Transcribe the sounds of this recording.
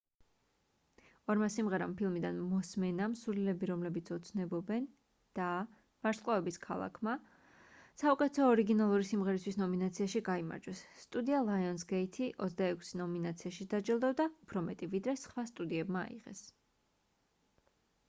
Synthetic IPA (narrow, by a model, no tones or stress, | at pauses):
ɔɾmasimʁɛɾampʰilˠmid̪anmɔsmɛnamsuɾlilɛbiɾɔmlɛbit̪sʰɔt̪sʰnɛbɔbɛn | d̪̥a | v̥aɾskqʼlˠavɛbiskʰa̰lˠa̰kʰma | saukʼɛt̪ʰɛt̪ʰɔːɾiɡinalˠuɾisimʁɛɾist̪wisnɔminat̪sʰiaʃiɡaima̰ɾd͡ʒwɛsːt̪ʼud̪ialˠaiɔnsɡɛit̪ʰiʔɔt̪sd̪aɛkʰsinɔminat̪sʰiaʃid̪ad͡ʒɛlˠd̪ɛvd̪aupʰɾɔmɛt̪ʼivid̪ɾɛsχwast̪ʼud̪iɛbma̰ːḭʁɛ̰s